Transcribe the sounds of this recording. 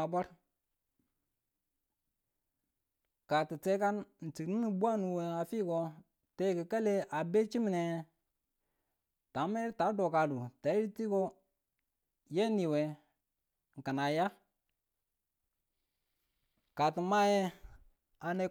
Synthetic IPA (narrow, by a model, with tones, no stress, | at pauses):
a˨ba˦ɾ | ka˨ti˨t͡se˦ka˦nn̩˨t͡si˨kni˦ni˨bu˦a˦nu˨we˨a˨fi˦ko˨ | te˦˨kə˨ka˦le˦ʔa˨be˦t͡ʃi˦mi˨ne˨ | ta˨˦me˦ɾta˨˦do˨ka˨lu˨ta˨˦i˦ɾi˦ti˦ko˦ | je˦ni˨we˨ | ŋ̩˨ka˨na˨ja˦ | ka˨ti˨ma˦je˦ | a˨ne˦